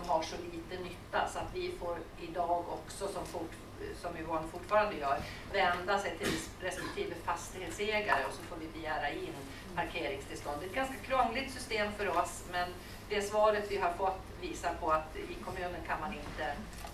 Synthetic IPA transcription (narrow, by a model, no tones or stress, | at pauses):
mɦaʂɔliːt̪ənʏt̪ːa̰sɔat̪vɪfoːɾ | ɪd̪ɑːɡɔ̰ksɔsɔmfʊʈ | sɔmɪvoːɳfʊʈːfɑːɾand̪əjœːɾ | vɛnd̪asɛjt̪ʰɪl | ɾɛspɛk̚t̪ʰiːvəfast̪ɪheːt̪seːɡla̰ɾəɔsɔfoːɾvɪbɛjæːɾaɪnː | pʰaɾkʰeːɾɪŋst̪ʰɪlst̪ɔnd̪ɛt̪̚ɡanskakʰɾɔŋlɪɡ̚t̪sʏst̪eːmfœɾɔs | mɛn | d̪ɛsvɑːɾət̪vɪɦaɾfɔt̪ːviːsapʰɔat̪ɪkʰɔmʉ̟ːnəɳkʰanmanɪnt̪ə